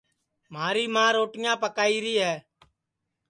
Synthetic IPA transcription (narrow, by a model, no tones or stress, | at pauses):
m̤aːɾiːmãːɾoːʈɪjãːpəkaːiːɾiːɦɛː